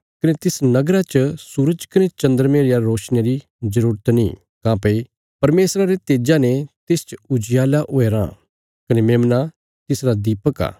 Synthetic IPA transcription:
kɐnet̪ɪsnɐɡɾat͡ʃəsuːɾəd͡ʒkɐnet͡ʃɐ̃nd̪əɾmeːɾɪjaɾoːʃnjeɾi | zɐɾuːɾət̪nḭ | kãːpei | pɐɾmeːsɾaɾet̪eːd͡ʒanet̪eːst͡ʃʊd͡ʒɪjaːlaʔoeːɾã̰ | kɐnemẽːmna | t̪ɪsɾad̪iːpəka̰ː

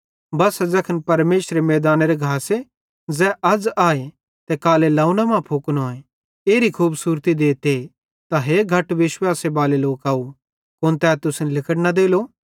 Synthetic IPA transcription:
bɐsɐd͡zɛkʰənpɐɾmeːsɾemɛːd̪aːneɾeɡʱaːse | d͡zɛːʔɐd͡zaːe | t̪ɛkaːlelɐːunamãpʰoːknoːẽ | eːɾikʰuːbsuːɾt̪id̪eːt̪e | t̪aɦeːɡʱɐʈʋɪʃwaːsebaːleloːkaːu | kʊnt̪ɛːt̪ʊsnlɪkəɽnad̪eːlo

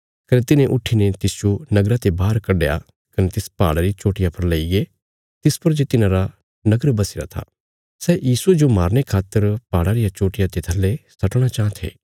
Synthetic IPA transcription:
kɐnet̪ɪnẽʔʊʈʰːinet̪ɪsd͡ʒonɐɡɾat̪ebaːɾkɐɖeja̰ | kɐnet̪ɪspa̰ːɽaɾit͡ʃoːʈɪjapʰɐɾlɐiɡe | t̪ɪspɐɾd͡ʒet̪ɪnãɾa | nɐɡəɾbɐsɪɾa̰t̪ʰa̰ː | sɛjiːsued͡ʒomaːɾñekʰaːt̪ːəɾpaːɽaɾɪjat͡ʃoːʈɪjat̪et̪ʰɐlːesɐʈɽ̃at͡ʃãːt̪ʰḛː

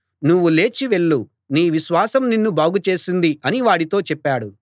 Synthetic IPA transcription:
nuʋːule̞ːt͡ʃiʋe̞ɭːu | niːʋiʃʋaːsɐmninːubaːɡut͡ʃe̞ːsind̪iɐniʋaːɽit̪o̞ːt͡ʃɛpːaːɽu

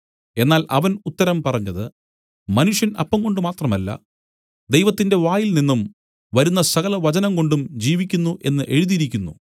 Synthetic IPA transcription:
e̞nːaːlʔɐʋɐnut̪ːɐɾɐmpɐrɐɲːɐðɨ | mɐnuʂjɐnɐ̰pːɐŋko̞ɳɖɨmaːt̪rɐmɐlːɐ̰ | d̪ejʋɐt̪ːinde̞ʋaːjilninːum | ʋɐɾunːɐsɐɣɐlɐʋɐt͡ɕɐnɐmko̞ɳɖumd͡ʑiːʋikʲːunːuʔe̞nːɨʔe̞ɻuðiɾikʲːunːu

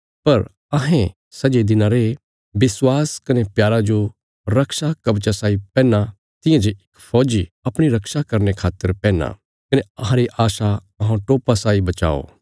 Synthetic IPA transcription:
pɐɾ | ɐɦɛ̃ | sɐd͡ʒed̪ɪnãɾe | bɪswaːskɐnepjaːɾad͡ʒo | ɾɐkʃakɐbt͡ʃasaːipɛ̃ːna | t̪ɪ̃jãd͡ʒeɪkpʰɔːd͡ʒiɐpɽ̃iɾɐkʃakɐɾnekʰaːt̪ːəɾpɛ̃ːna̰ | kɐneɐɦãɾeʔaːʃa | ɐɦãʈoːpasaːibɐt͡ʃa̰ːo̰ː

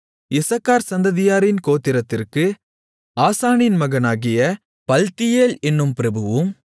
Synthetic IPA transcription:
ɪsɐkːaːɾsɐnd̪ɐðɪjaːɾɪnkoːt̪ːɪɾɐt̪ːɪrkɯ | aːsaːnɪnmɐɣɐnaːɣɪjɐ | pɐlt̪ɪjeːlɛnːɯmpɪɾɐbɯʋɯm

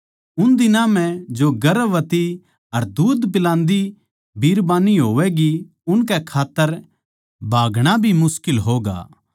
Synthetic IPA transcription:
ʊnd̪ɪnãm̤ɛ̃d͡ʒoɡɐɾʋɐt̪i | ɐɾd̪uːd̪p̬ɪlãːnd̪i | bʱiːɾbãːniɦoːʋɛɡi | ʊnk̬ɛkʰaːt̪ːəɾ | bʱaːɡɽ̃abʱimʊskɪlɦoːɡa̰ː

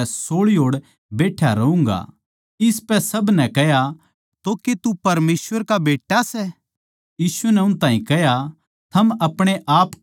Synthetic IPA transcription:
soːɭiɦoːɽ | beːʈʰjaɾɐũːŋɡa̰ | ɪspɛsɐbnɛkɛja | t̪oket̪upɐɾmeːsʋəɾkabeːʈːasɛ | jiːsunɛʊnt̪ãːĩkɛɦja | t̪ʰɐmɐpɽ̃eʔaːp

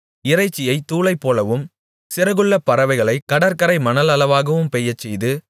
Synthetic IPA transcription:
ɪɾɐɪt͡ʃːɪjɐɪt̪ːuːɭɐɪpːoːlɐʋɯm | sɪɾɐɣɯɭːɐpɐɾɐʋɐɪɣɐɭɐɪkɐɽɐɾkɐɾɐɪmɐnɐlɐlɐʋaːɣɐʋɯmpɛjɐt͡ʃːɛjðɯ

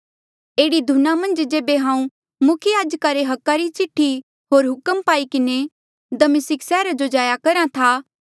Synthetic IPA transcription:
eːɽid̪ʱunamɐ̃nd͡ʒd͡ʒeːbeɦãːũ | mʊkʰəjaːd͡ʒkaɾeɦɐkːaɾit͡ʃɪʈʰːi | ɦoːɾɦʊkəmpaːikɪne | d̪ɐmɪsɪksɛːɾad͡ʒod͡ʒaːjakɐɾãt̪ʰaː

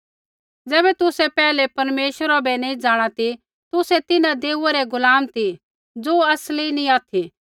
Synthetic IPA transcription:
d͡zɛːbɛt̪ʊsɛpɛːlɛpɐɾmeːʃəɾabɛnɐ̃ĩd͡zaːɽ̃at̪i | t̪ʊsɛt̪ɪnãd̪eːuaɾɛɡʊlaːmt̪i | d͡zoːɐslinĩaːt̪ʰi

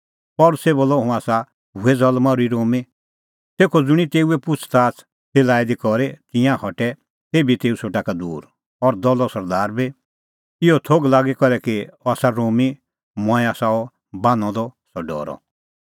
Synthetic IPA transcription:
pɔlʊseboːlɔɦũaːsa | ɦuɛd͡zɔlmaɾuiɾoːmi | t̪eːkʰɔd͡zʊɽ̃it̪eːuɛpʊt͡sʰt̪aːt͡s | t͡seːlaːid̪ikɔɾɛt̪ɪ̃jãhɔʈɛ | t̪eːbit̪eːusʰoʈakad̪uːɾ | ɔɾd̪ɔlɔsɐɾd̪aːɾbi | ɪɔt̪ʰoɡlaːɡekɔɾɛkiaːsaɾoːmi | mɔ̃ɛ̃aːsaɔ | bãːnɔ̃d̪ɔsɔɖɔ̰ːɾɔ̰

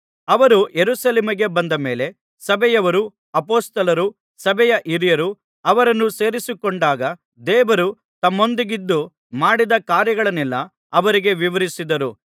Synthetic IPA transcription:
ɐʋɐɾujeɾusɐleːmiɡe̞bɐnd̪ɐme̞ːle̞ | sɐbɛjɐʋɐɾu | ɐpoːst̪ɐlɐɾu | sɐbʱɛjɐʔiɾijɐɾu | ɐʋɐɾɐnːuse̞ːɾisikoɳɖaːɡɐ | d̪eːʋɐɾu | t̪ɐmːo̞nd̪iɡid̪ːu | maːɽid̪ɐkaːɾjɐɡɐɭɐnɛlːɐː | ʋɐɾiɡe̞ʋiʋɐɾisid̪ɐɾu

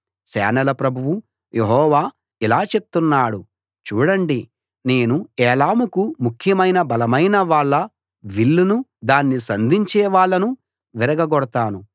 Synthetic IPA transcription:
sɛ̰ːnɐlɐpɾɐbʱuwu | jeɦɔːʋaː | ilaːt͡ʃe̞p̚t̪unːaːɽu | t͡ʃuːɽɐɳɖi | ne̞ːnuɛːlaːmukumukʰjɐmɐjnɐbɐlɐmɐjnɐʋaːɭːɐ | ʋiɭːunud̪aːnːisɐnd̪iɲt͡ʃɛːʋaːɭːɐnu | ʋiɾɐɡɐɡɔɽɐt̪aːnu

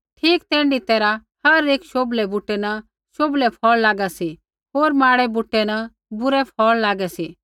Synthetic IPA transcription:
ʈʰiːkt̪ɛ̃ːɳɖit̪ɛːɾa | hɐɾeːkʃoːblɛbuʈɛnɐ | ʃoːblɛpʰɔːɭlaːɡasi | ɦoːɾmaːɽɛbʊʈːɛnɐ | bʊɾɛpʰɔːɭlaːɡɛsiː

